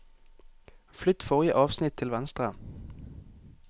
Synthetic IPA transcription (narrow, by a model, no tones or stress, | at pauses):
flʏt̪fɔʁɪəʔɑːʋsnɪt̪ʰːɪlʋɛnst̪ʁə